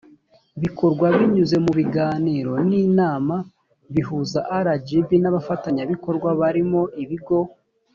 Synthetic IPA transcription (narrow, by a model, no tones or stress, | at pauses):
βikʰo̞ɾɡwaβiɲuze̞muβiɡaːniːɾo̞niːnaːma | βiɦuzaʔaɾad͡ʒibinaβafataɲaβiko̞ɾɡwaβaɾimo̞ʔiβiɡo̞